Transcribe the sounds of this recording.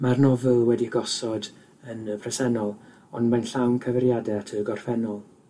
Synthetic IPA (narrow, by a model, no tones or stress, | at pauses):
marnɔvɪlˠwɛdiəɡɔsɔd | ənəpʰrɛsɛnɔlˠ | ɔnmajnɬawnkʰəvɛɾjadɛatʰəɡɔrfɛnɔlˠ